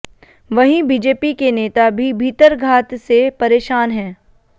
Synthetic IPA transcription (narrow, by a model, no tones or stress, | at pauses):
ʋɐɦĩbiːd͡ʒeːpikeneːt̪abʱibʱiːt̪əɾɡʱaːt̪sepɐɾeːʃaːnɦɛ̃ː